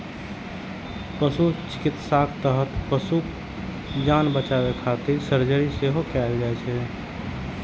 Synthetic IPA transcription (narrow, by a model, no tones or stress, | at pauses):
pəsut͡ʃɪ̥kit̪sakʰt̪əɦət̪pəsu | d͡ʒanbət͡ʃabekʰat̪iɾsəɾd͡ʒəɾiseɦokɛld͡ʒaɛt͡ʃʰɛ